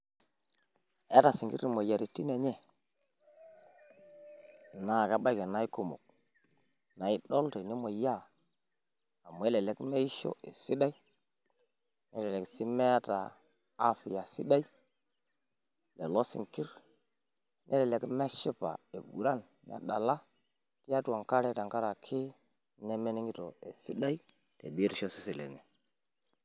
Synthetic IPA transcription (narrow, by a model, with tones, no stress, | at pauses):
e˦ta˨si˨ŋki˦ɾi˨mo˨ja˨ɾi˨ti˦ne˨ɲe˦˨ | na˨ka˦ba˦ke˨na˨˦i˦ku˨mo̰˨k̚ | na˨i˦ɗo˦lte˨ni˦mo˨ja˦˨ | a˨mu˨˦e˦le˨le˦kme˦i˦ʃo̰˦ḛ˨si˦da˦i˦ | ne˦le˨le˨ksi˦me˦ta̰˨ | a˦fi˨ja˨si˦ɗa˦i˦ | le˨lo˦sḭ˨ŋki˦ɾ | nʔe˦le˨le˨˦kme˦ʃi˦pa̰˨e˨ɡṵ˨ɾa˦˨n | na̰˨ɗa˨la˦ | ti˦ja˦tu˨a˨ŋka˦ɾe˦ta˨ŋka˦ɾa˨kʰi˦ | ne˦me˦ni˦ŋi˦to˨ḛ˨si˦ɗa˦i˦ | tḛ˨bi˦ɾʃo˦si˦si˨lḛ˨ŋe˨